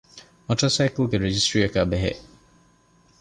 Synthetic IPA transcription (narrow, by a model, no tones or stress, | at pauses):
mɐʈɐsæːkulɡeɾed͡ʒisʈɾiɐkæːbeɦḛʔ